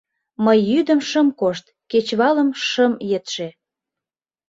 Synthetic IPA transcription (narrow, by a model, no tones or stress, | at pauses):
məjːyd̪əmʃə̆mkoʃt̪̚ket͡ɕβɑləmʃəmjet̪ʃe